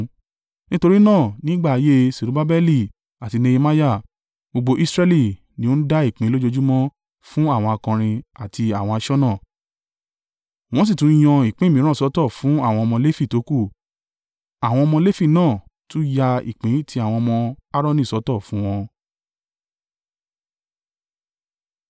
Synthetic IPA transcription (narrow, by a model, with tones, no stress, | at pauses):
nĩ˦to˧ɾi˦nãː˦˨nĩ˦ɡ͡ba˦˨a˨˧je˦si˨ɾu˨˦ba˦bɛ˦li˦˨ | a˨ti˧nẽ˧je˧ma˦ja˦˨ | bo˧ɡ͡bo˧ʔi˦sɾɛ˦li˦˨ | nĩ˦o˦n̩˦da˦i˦˨k͡pĩ˨˦lo˦d͡ʒo˧d͡ʒu˦mɔ̃˦ | fũ˦a˦˨w̃ɔ̃˧a˧kã˧ɾ̃ĩ˧a˨ti˧a˦˨w̃ɔ̃˧a˧ʃɔ˦nãː˦˨ | w̃ɔ̃˦s̬i˦˨tũ˨˦j̃ɔ̃˧i˦˨k͡pẽ˦˨mĩ˨˦ɾ̃ɔ̃˦˨sɔ˨˦tɔ˦˨fũ˨˦a˦˨w̃ɔ̃˧ɔ˧mɔ̃˧le˦fi˦˨to˨˦ku˦˨ | a˨w̃ɔ̃˧ɔ˧mɔ̃˧le˦fi˦˨nãː˦˨tũ˦ja˧ḭ˨k͡pĩ˨˦tʰi˧˦a˨w̃ɔ̃˧mɔ̃˧a˦ɾɔ̃˦nĩ˦˨sɔ˨˦tɔ˦˨fũ˨˦w̃ɔ̃˧